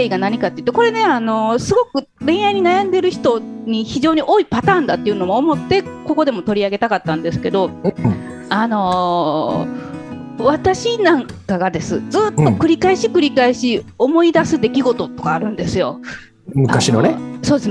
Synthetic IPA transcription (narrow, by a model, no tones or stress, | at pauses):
eiɡanaɲ̟ikat̪ːeit̪ːeko̞ɾe̞ne̞ano̞sɨɡo̞kɯ̟ | ɾẽ̞ɰ̃jaiɲ̟inajãnd̪eɾɯ̟çi̥t̪o̞ɲ̟içiʑo̞ːɲ̟iʔo̞ːipat̪ãːnd̪at̪ːeiɯ̟no̞moːmo̞t̪ːe̞ko̞ko̞d̪e̞mo̞t̪o̞ɾʲiaɡe̞t̪akat̪ːãnd̪e̞sɨ̥ke̞d̪o̞ | ano̞ | βat̪aɕinãŋkaɡad̪e̞sɨ̰d͡zɨːt̪ːokɯ̟ɾʲikaiɕikɯ̟ɾʲikaiɕiomo̞id̪asɨd̪e̞kʲiɡo̞t̪o̞t̪ːo̞̥kaːɾɯ̟̃nd̪e̞sɨjo̞ | mɯ̟kaɕino̰neso̞ːd̪es